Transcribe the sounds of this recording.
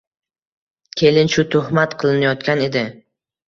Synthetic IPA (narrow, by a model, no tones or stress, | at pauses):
kʲʰe̞lɪnʃʊt̪ʰʊhmat̪qʰɨlˠɪnajɒt̪kʲane̞d̪ɪ